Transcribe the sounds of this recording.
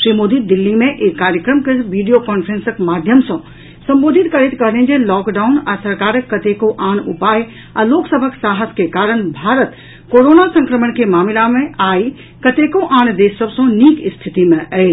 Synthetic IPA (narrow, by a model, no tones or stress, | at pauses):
ʃɾimoːd̪id̪ɪlːimẽʔeːkːaːɾjəkɾəmkeʋiːɖijokɔːnpʰɾẽnsəkmaːd̪ʱjəmsɐ̃ | sɐ̃mboːd̪ʱɪt̪kɐɾit̪kɐɦlẽd͡ʒelɔːkɖaːuna̰ːsɐɾkaːɾəkːɐt̪ekoʔaːnupaːj | a̰loːksəbʱəksaːɦəskekaːɾəɳ̃bʱaːɾət̪ | koːɾoːnasə̃ŋkɾəmənkemaːmɪlamẽaːi | kɐt̪ekoʔaːnd̪eːsəbsə̃niːkɪst̪ʰɪt̪imẽʔɛe